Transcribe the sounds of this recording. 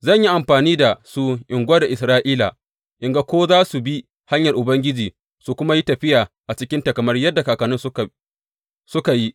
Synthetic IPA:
zɐ˦˨ɲji˦ʔa˨mɸaː˨niː˦da˨su˦ʔɪ˨ŋɡʷɐ˦da˨ʔɪ˨sɾaː˦ʔiː˦la̰˨ | ʔɪ˨ŋɡa˦kʷoː˦zaː˦su˨bi˦ | ha˦ɲjɐ˨rʔʊ˨bɐ˦ŋɡʲɪ˦d͡ʒiː˨ | su˨kʷʊ˦ma˦ji˦tɐ˨ɸɪ˦jaː˨ʔa˨t͡ʃɪ˦kʲɪ˦nta˨kɐ˨mɐ˦rjɐ˦dːa˨kaː˨kɐ˨nʊ˦s | sʊ˦ka˨ji˦

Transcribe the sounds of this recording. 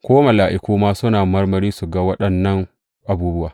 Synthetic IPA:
kʷoː˦ma˨laː˨ʔɪ˨kʷuː˦maː˦sʊ˦naː˨mɐ˦rmɐ˨ɾiː˦su˨ɡɐ˦wɐ˦ɗɐ˨nːɐ˦ŋ | ʔa˨buː˦bʊ˦waː˨

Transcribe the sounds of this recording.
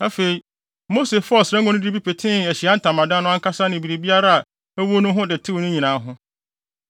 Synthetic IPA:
a˦fe˨i˨˦ | mo˦se˨fɔ˦˨sa˦ɡɔ̃˦nʊ̃˦di˦bi˦pʰe˨tʰɪ̃˦æ˨ɕi˨a˦n̩˦tʰã˨mã˨dã˦nʊ̃˦ã˦ŋkʰa˦sa˦nɪ̃˨bi˨ɾe˨bi˦a˦ɾa˦a˨ | æ˦wo˦nʊ̃˦ɦʊ̃˦dɪ˨tʰɪ˦wnʊ̃˦ɲĩ˨nãː˨˦ɦʊ̃˦

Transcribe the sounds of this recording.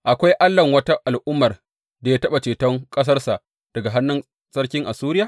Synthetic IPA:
ʔa˨kʷa˦jʔa˦lːɐ˨ŋwɐ˦ta˦ʔa˨lʔʊ˦mːɐ˨r | da˨ja˦tɐ˦ɓa˨t͡ʃeː˨tɔ˦ŋkʼɐ˦s̬ɐ˦rsa˨ʔ | d̥ɐ˨ɡa˨ɦa˦nːʊ˦n | sɐ˦rkʲɪ˦ŋʔa˨suː˦ɾɪ˦jaː˨

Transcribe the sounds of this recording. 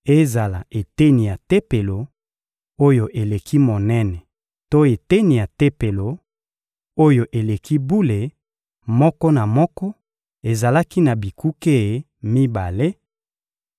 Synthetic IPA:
e˦za˨la˨ʔe˨te˦ni˨ja˨te˦pe˨lo˨ | o˦jo˨ʔe˨le˨kʰi˦mo˨nɛ˦nɛ˨ | to˦e˨te˦ni˨ja˨te˦pe˨lo˨ | o˦jo˨ʔe˨le˨kʰi˦bu˦le˨ | mɔ˦kɔ˦na˨mɔ˦kɔ˦ | e˨za˨la˦ki˦na˨bi˨kʰu˦ke˦˨ | mi˦ba˨le˦

